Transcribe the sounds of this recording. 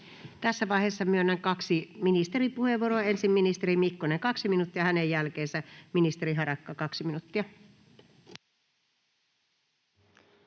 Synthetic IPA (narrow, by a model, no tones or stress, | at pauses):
t̪æsːæʋɑiheːsːɑmyønːeŋkɑksiminist̪eripuhe̞ʋuoɾoɑe̞nsimːinist̪eɾimikːoneŋkɑksiminut̪ːiɑhænejːælkeːnsæminist̪eɾiɦɑɾɑkːɑkɑksiminut̪ːiɑ